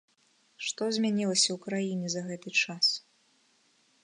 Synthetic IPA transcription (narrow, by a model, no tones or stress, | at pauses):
ʂt̪ɔzʲmʲanʲilˠɐsʲɐwkɾajinʲɛzɐɣɛt̪ɨt͡ʂas